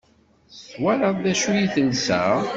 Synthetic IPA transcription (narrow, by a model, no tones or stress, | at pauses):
θwæɾɑðˤðæʃujiθənsæ̰